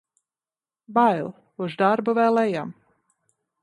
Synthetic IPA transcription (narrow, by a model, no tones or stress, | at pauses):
bajlˠ | uzd̪aɾbɔvɛːlˠɛjam